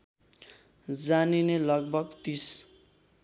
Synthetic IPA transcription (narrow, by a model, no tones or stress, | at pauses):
d͡zaninelʌɡ̚bʱʌɡt̪is